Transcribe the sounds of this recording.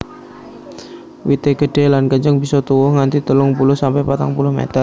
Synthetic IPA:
wit̪eɡəɖ̥elankəɲt͡ʃəŋbisɔt̪uwʊhŋant̪it̪əlʊŋpulʊhsampajpat̪aŋpulʊhmḛt̪ər

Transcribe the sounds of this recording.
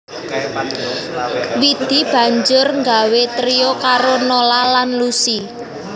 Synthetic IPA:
wid̪̥i̤b̥a̤ɲd͡ʒʊrŋɡawet̪ɾijokaɾonolalanlusi

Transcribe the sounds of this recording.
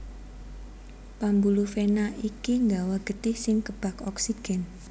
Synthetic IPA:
pambulufenaʔikiŋɡawaɡ̥ət̪ɪhsɪŋkəb̥a̤kɔksiɡ̥ɛn

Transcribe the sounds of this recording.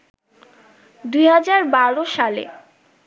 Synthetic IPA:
d̪ujɦad͡ʑaɾbaɾoʃalḛ

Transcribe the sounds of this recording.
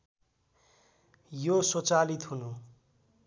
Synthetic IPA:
josot͡salit̪ɦunu

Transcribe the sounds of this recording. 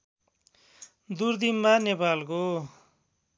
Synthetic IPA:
d̪uɾd̪immanepalko

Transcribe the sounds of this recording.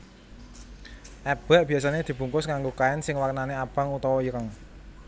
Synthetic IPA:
ʔɛb̥ɛʔb̥iasaned̪̥i̤b̥ṳŋkʊsŋaŋɡokaɛnsɪŋwarnaneab̥a̤ŋut̪ɔwɔiɾəŋ

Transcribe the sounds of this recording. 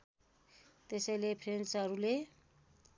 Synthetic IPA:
t̪esajlepʰɾensaɾule

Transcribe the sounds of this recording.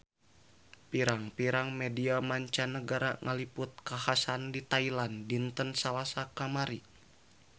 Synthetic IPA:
piɾaŋpiɾaŋmɛdiamaɲt͡ʃanəɡaɾaŋʔalipʊt̪̚kahasandit̪ailandint̪ənsalasakamaɾi

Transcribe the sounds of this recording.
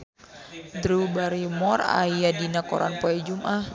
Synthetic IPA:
d̪ɾubaɾimɔra̰jadinakɔ̰ɾa̰npɔɛd͡ʒumʔah

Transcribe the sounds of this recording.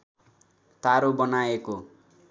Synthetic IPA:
t̪aɾobʌnaeko

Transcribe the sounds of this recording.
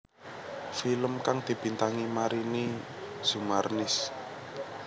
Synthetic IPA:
filəmkaŋd̪̥i̤b̥i̤nt̪aŋimaɾini | z̥umarnɪs

